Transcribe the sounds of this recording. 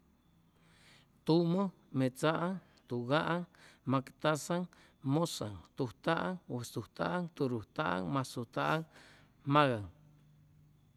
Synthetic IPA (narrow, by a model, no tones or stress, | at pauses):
t̪umo | met͡saʔaŋ | t̪uɣaʔaŋmakt̪asaŋ | mosa̰ŋt̪uht̪aʔaŋwesuht̪a̰ʔaŋt̪uɾuht̪aʔa̰ŋmasuht̪aʔaŋ | maɣaŋ